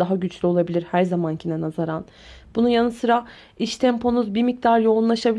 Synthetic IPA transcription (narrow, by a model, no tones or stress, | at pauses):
d̪aɦaɟyt͡ʃlʲyo̞lˠabilʲiɾhæɾzamancʰinɛnazaɾan | b̥unujanɯsɯɾa | iʃt̪ʰɛmpʰo̞nuzbimic̚t̪ʰaɾjo̞unlˠaʃabilʲ